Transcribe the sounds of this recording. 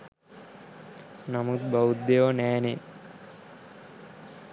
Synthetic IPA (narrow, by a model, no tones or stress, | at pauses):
namut̪̚baud̪ːeʋɐnɛːne